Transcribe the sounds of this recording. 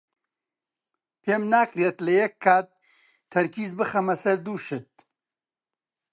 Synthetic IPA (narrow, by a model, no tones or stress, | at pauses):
pʰeːmnaːkɾeːt̪lɐjɛkʰːaːt̪̚ʰː | ɐɾkʰiːzbɨxɐmɐsɐɾd̪uːʃɨt̪̚